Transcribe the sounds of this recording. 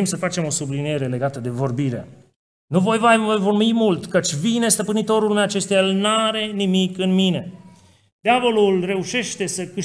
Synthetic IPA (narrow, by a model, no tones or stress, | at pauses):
msəfat͡ʃe̞mo̞sublinije̞ɾe̞le̞ɡat̪əd̪e̞vo̞rbiɾe̞̰ | nuvo̞jvaojvo̞rmimult̪kət͡ʃʲvine̞st̪əpɨnit̪o̞ɾulmeat͡ʃe̞st̪ejaelnaɾe̞nimikɨnmine̞ | d̪̥eavo̞lulre̞uʃe̞ʃt̪e̞səkɨʃ